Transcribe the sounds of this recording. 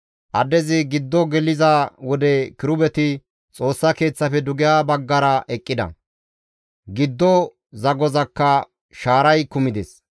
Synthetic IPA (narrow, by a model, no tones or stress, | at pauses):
ʔɐd̪ɛzɪɡɪd̪ːɔɡɛlɪzawɔd̪ɛkɪɾʊbɛt̪ɪ | t͡sʼo̞ːsːɐke̞ːt͡sːɐfɛd̪ʊɡɪjaːbɐɡːɐɾɐʔɛkʼːɪd̪ɐ̰ | ɡɪd̪ːɔ | zɐɡɔzɐkːɐ | ʃaːɾɐjkʊmɪd̪ḛs